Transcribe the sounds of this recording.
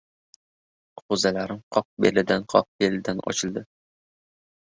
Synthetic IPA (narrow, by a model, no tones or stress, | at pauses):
qʰozælaɾɪmqʰɒq̚belɪd̪anqʰɒq̚belɪd̪anɒ̰t͡ʃʰɪlˠd̪ɪ